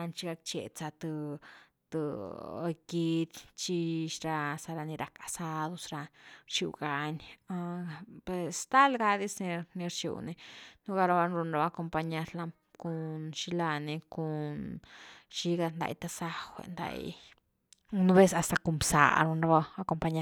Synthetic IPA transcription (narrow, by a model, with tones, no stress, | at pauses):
a˧nt͡ʃi˧ɡa˧k̚t͡ʃḛ˧˨t͡sa˧t̪ɨ˧ | t̪ɨ˨˧ | ɡi˧˦d̪ʲt͡ʃi˧ʃɾa˧sa˧ɾa˧ni˧ɾa˨ka˨sa˧d̪o˧sɾa˧ɾt͡ʃi˧wɡa˧na˧pwe˨˧st̪a˦lɡa˧d̪i˦sni˧ni˧ɾt͡ʃṵ˨wni˧nu˦ɡa˧ɾa˧βa˧˦nɾu˧nɾa˧ba˧ko˧mpa˧ɲa˧ɾla˧ | ku˧nʃi˦la˧ni˧ku˨n | ʃi˦ɡa˧nd̪a̰˧˨jt̪a˧sa˦xʷḛ˧nd̪a̰˧j | nu˦be˦sa˧st̪a˧ku˧mbsa̰˨ɾu˧nɾa˧ba˧a˧ko˧mpa˧ɲa˧˦